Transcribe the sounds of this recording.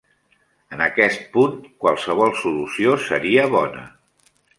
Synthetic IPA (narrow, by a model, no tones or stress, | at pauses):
ənəkɛst̪̚punkwalˠsəβ̞ɔlˠsulusiosəɾiəβ̞ɔnə̰